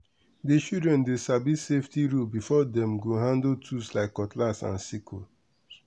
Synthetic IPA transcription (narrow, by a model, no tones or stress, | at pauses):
dit͡ʃidɹɛ̃ndesabiseftiɹubifɔdɛ̃mɡoɦãndotʰuslaɪkːɔtlasã̰nsikʰo̰